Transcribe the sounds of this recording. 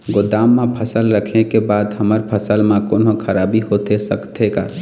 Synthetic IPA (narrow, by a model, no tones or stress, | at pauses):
ɡʊd̪aːmːẽpʰəsəlɾəkʰekebaːd̪ɦəməɾpʰəsəlmãkoːnokʰəɾaːbiɦot̪esəkt̪ʰeka̰ː